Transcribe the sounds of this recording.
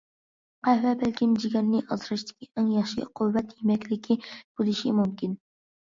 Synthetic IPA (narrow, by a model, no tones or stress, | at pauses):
qɑvɛbɛlkʲimd͡ʒiɡʲɛnːɪʔɑzɾɨʃt̪ʰɪ̥kʲiæŋjɑχʃɪɛ̰qʰʊvːɛt̪jemɛkʲlɪkʲʰib̥ulɪʃḭmumkʲin